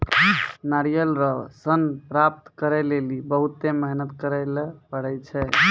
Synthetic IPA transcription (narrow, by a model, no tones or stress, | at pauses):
naɾijəlɾəsənpɾap̚t̪kəɾɛlelibəɦut̪eməɦnət̪kəɾɛlpəɽɛt͡ʃʰɛ